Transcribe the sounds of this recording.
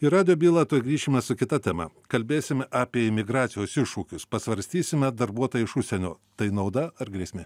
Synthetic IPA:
ɪɾɑːd̪ʲɪjoːbʲiːlˠɐt̪oːjɡɾʲiːʃʲɪmʲɛsʊkʲɪt̪ɐt̪ʲɛːmɐ̰kɐlʲbʲeːsʲɪmʲɛʔɑːpʲiɛɪmʲɪɡɾɑːt̪sʲɪjoːsɪʃuːkʲʊspɐsʋɐɾʲsʲt̪ʲiːsʲɪmʲɛd̪ɐɾbuɔt̪oːjɪʃʊʃʲsʲɛnʲoːt̪ɐɪnɐʊd̪ɐɐɾɡɾʲiɛsʲmʲɪ

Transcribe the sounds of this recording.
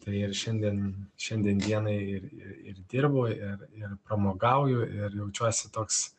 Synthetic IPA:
t̪ɐɪɪrʃʲɛnʲd̪ʲiɛnʃʲɛnʲd̪ʲɛnd̪ʲiɛnɐɪɪrɪɪrd̪ʲɪrboːɪrɪrpɾɐmoːɡɐʊjoːɪrjɛʊt͡ʃʲuɔsʲɪt̪oːks

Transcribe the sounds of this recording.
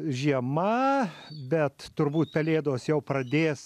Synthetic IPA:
ʒʲiɛmɐ | bʲɛt̪tʊɾbuːt̪̚pʲɛlʲeːd̪oːsjɛʊpɾɐd̪ʲeːs

